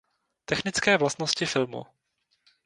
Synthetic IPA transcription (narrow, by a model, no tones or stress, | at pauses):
t̪ɛxnɪt͡skɛːvlast̪noscɪfɪlmṵ